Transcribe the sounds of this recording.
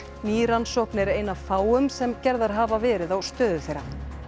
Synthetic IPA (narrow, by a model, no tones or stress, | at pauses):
niːɾansɔhknɛɾeːjnavfaːwʏmsɛmcɛɾðaɾ̥ɦaːvavɛːɾɪðawst̪œːðʏθejɾa